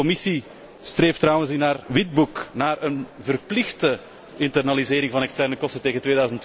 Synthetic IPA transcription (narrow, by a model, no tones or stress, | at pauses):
ɔmɪsi | streːftrʌwənsinaːrʋɪd̚buknaːrənvərplɪxtə | ɪntərnalizeːɾɪŋvɑnɛkstɛrnəkɔstənteːɣəntʋeːdœːzənt